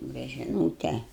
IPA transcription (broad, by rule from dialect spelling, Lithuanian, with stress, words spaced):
bʲɛt ˈʒʲɪnoːtʲɛ